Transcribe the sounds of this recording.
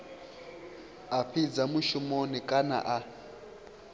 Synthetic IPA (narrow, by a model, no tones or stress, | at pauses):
aɸʰid͡zamuʃumonikʼana̰ʔa